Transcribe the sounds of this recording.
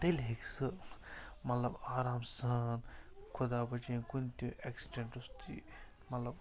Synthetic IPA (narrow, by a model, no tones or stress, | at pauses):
t̪elʲɦeksɨ | mɐt̪lɐbaːɾaːmsɐnkʰud̪aːbɐt͡ʃenkunt̪ũʔeksi̥ʈeɳʈust̪ḭ | mɐt̪lɐb